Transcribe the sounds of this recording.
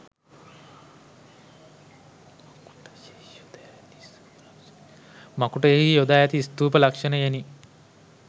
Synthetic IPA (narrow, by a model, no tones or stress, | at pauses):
ku | d̪ | makuʈɐeɦijod̪aːjat̪ist̪uːpɐlakʂɐnɐjani